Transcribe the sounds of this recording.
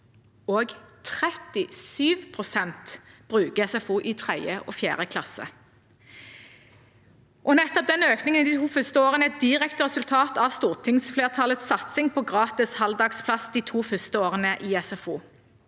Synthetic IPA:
oːɡt̪ʰʁɛt̪ɪsyːʋpʰʁʊsɛnt̪b̥ʁʉːkəɛsɛfuːʔit̪ʰʁɛjəʔɔ̰ːfjæ̰ːʁəkʰlɑsə̰ | ʔɔnɛt̪ːɔp̚d̪ɛnøːknɪŋənd̪iːt̪ʰuːfʏst̪əoːʁənəɛt̪̚d̪ɪʁɛkt̪əʁɛsʉlt̪ʰɑːt̪ɑʋst̪uːʁt̪ʰɪŋsfleːʁt̪ʰɑlət̪sɑt̪sɪŋpʰɔːɡʁɑːt̪ɪshɑld̪ɑːɡspʰlɑsd̪iːt̪ʰuːfœst̪əoːʁənəʔiːɛsɛfuː

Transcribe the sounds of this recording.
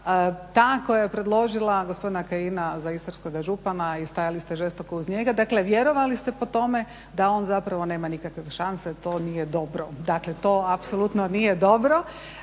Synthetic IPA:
t̪aːkojajepɾed̪lˠo̞ʒilˠaɡospo̞d̪inakajinazaist̪oɾsko̞ɡaʒupanaist̪ajalist̪eʒest̪o̞kouzɲeɡad̪akleʋjeɾo̞ʋalist̪e̞po̞t̪o̞me̞ | d̪ao̞nzapɾaʋo̞ne̞ːmanikakʋeʃanset̪o̞ːnijed̪o̞bɾod̪aklet̪oːapsolˠut̪nonijed̪o̞bɾo̞

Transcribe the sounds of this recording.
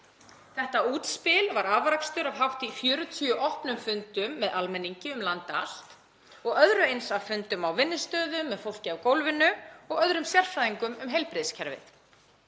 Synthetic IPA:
θɛht̪auːt̪spɪlvaɾavɾakst̪ʏɾav̥ɦaft̪ifjœːɾʏt̪ʰyʏʔɔhpnʏmfʏnt̪ʏmːɛðʔalmɛnːiɲcɪʏmlant̪a̰l̥t̪ | ɔɣœðɾʏejnsavfʏnt̪ʏmawvɪnːɪst̪œːðʏmːɛðfowl̥cɪawkowlvɪnːʏɔɣœðɾʏmsjɛr̥fɾaðiŋkʏmʏmɦejlpɾɪðscʰɛɾvɪ̰θ

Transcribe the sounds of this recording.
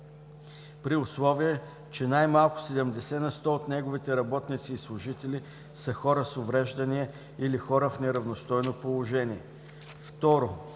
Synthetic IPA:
pɾiʊslˠɔviə | t͡ʃɛnajmalˠkʊ̥sɛd̪ɛmd̪ɛsɛnɐst̪ɔot̪nɛɡʊvit̪ɛɾɐbɔt̪nit̪siːslˠʊʒit̪ɛli | səxɔɾəsʊvɾɛʒd̪ɐniɛ | ilixɔɾəfnɛɾɐvnost̪ɔjnopolˠoʒɛniɛ | ft̪ɔɾo

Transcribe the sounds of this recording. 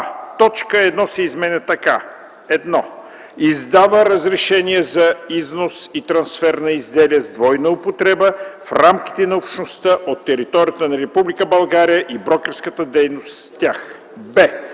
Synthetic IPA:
t̪ɔt͡ʃkəɛd̪nɔsɛizmɛnʲɛt̪ɐka | ɛd̪nɔ | izd̪avəɾəzɾɛʃɛniɛzɐiznosit̪ɾɐnsfɛɾnɐizd̪ɛliɛzd̪vɔjnɐopot̪ɾɛbəfɾamk̟i̥t̪ɛnɐopʃnost̪əʔot̪ːɛɾit̪ɔɾʲijət̪ənɐɾɛpublikəbɐlˠɡaɾijəʔibɾɔkɛɾskət̪əd̪ɛjnost̪st̪ʲax | bɛ

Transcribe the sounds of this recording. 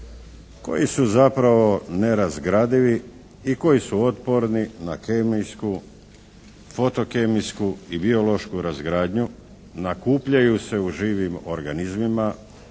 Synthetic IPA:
ko̞̰jisuzapɾaʋo̞ne̞ɾazɡɾaːd̪iʋi | iko̞jisuo̞t̪po̞ɾninakemijsku | fo̞t̪o̞kemijskuibio̞lo̞ʃkuɾazɡɾaːd̪ɲu | nakuːpʎajuse̞uʒiːʋimo̞ɾɡanizmima

